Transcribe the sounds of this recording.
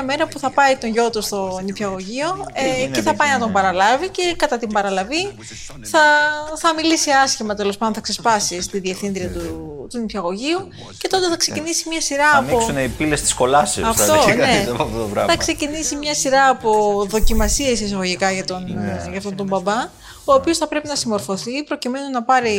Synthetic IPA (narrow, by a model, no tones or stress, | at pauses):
ɐme̞ɾɐpuθɐpɐit̪o̞ɲʝo̞t̪ust̪o̞nipçɐɣo̞ʝio̞eceθɐpɐjnɐt̪̬o̞mbɐɾɐlɐvice̞kɐt̪ɐt̪imbɐɾɐlɐvi | θɐθɐmilisiɐsçimɐt̪e̞lospɐnd̪oθɐksespɐsist̪iðieθĩnðɾiɐt̪ut̪unipçɐɣo̞ʝiu | ce̞t̪o̞t̪eθɐkse̞cinisimɲɐsiɾɐːpiosuneipilest̪i̥sko̞lɐsɐft̪onɐesɐfoft̪ot̪ovɾɐ̰θɐkse̞cinisimɲɐsiɾɐːpo̞ðo̞cimɐsie̞sis̬ɐɣoʝikɐʝɐt̪onʝɐːft̪o̞nt̪ombɐbɐ | o̞ːpio̞sθɐpɾe̞pinɐsimo̞ɾfo̞θipɾo̞cime̞nunɐpɐɾi